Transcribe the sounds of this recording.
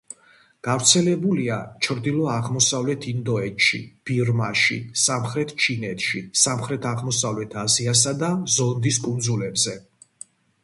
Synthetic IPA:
ɡ̥aɾt̪sʰɛlɛbuliat͡ʃʰɾd̪ilˠɔaʁmɔsavlɛt̪ʰind̪ɔɛt̪ʃḭb̥iɾmaʃḭsamχɾɛt̪ʰt͡ʃʰinɛt̪ʰʃisamχɾɛt̪ʰaʁmɔsavlɛt̪ʰazias̬ad̪azɔnd̪iskʼund̪zulɛbzɛ

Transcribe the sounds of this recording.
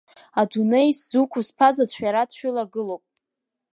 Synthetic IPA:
adunejszukʷʰuspʰazazʷʰħᶣaɾadʃʷᶣɪlaɡɨlowpʼ

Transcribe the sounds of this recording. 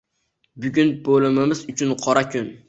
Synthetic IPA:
bʊɡʲʊnbolˠɪmɪmɪzʊt͡ʃʰʊnqʰɒɾakʲʰʊn

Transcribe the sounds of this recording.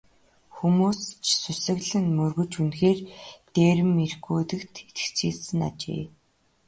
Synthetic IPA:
xumuːst͡ɕʰsʊsɘ̆ɣɮɘ̆nmɵrɣɵ̆t͡ɕunxeːrt̪eːɾɘ̆merxuːt̪ɘ̆kt̪et̪̆kt͡ɕʰiːɮsɘ̆na̰t͡ɕḛː

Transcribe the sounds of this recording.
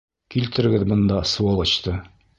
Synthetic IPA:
kilt̪ɘ̆ɾɘ̆ɡɘðbɤ̆nd̪ɑsuɑlˠɤ̆ɕt̪ɤ

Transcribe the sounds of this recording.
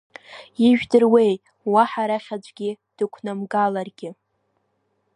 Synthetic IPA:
iʒᶣdɨrwe̞j | waħaɾaχʲad͡ʒʷʼɡʲɪ | d̥ɨkʷʰnamɡalarɡʲɪ

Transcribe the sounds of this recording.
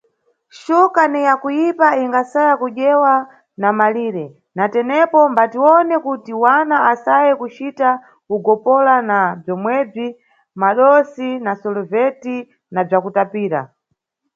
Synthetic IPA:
ʃukanijakujipaiŋɡasajakuʄɛwa | namaliːɾɛ | natɛnɛpɔmbatiwɔnɛkutiwanaasajɛkut͡ʃita | uɡɔpɔlanab͡ʐɔmwɛb͡ʐi | maɗɔsinasɔlɔvɛti | nab͡ʐakutapiːɾa̰

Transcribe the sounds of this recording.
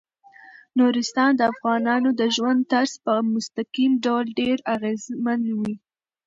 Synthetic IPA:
nuɾɪst̪ɑnd̪əafɣɑnɑnod̪əʒwand̪t̪aɾzpəmʊst̪aqimɖawlɖeɾaɣezmanwi

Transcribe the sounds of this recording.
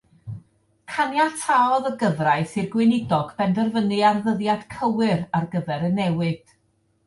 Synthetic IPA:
kʰanjatʰaɔðəɡəvraɨθɪrɡwɪnɪdɔɡbɛndərvənɨarðəðjad̥kʰəwɨɾarɡəvɛɾənːɛwɨd̥

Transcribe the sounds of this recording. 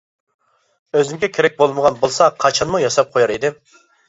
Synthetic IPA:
øzɪmɡʲɛkʲʰeɾɛk̚ʲbolˠməʁɑnbolˠsɑqʰɑt͡ʃʰɑnmujɑsɑp̚qʰojɑɾid̪ɪm

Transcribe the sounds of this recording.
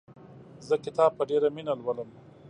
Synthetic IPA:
zəkɪt̪ɑːb̚pəɖeɾaminalwaləm

